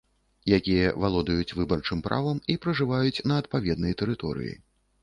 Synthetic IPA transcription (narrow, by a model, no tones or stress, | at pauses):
jakʲijɐvalˠɔd̪ɐjut͡sʲvɨbɐrt͡ʂɨmpɾʔa̰vɐmipɾɐʐɨvajut͡sʲnɐːt̪̚pavʲɛd̪nɐjt̪ɛɾɨt̪ɔ̰ɾɨ̰jḭ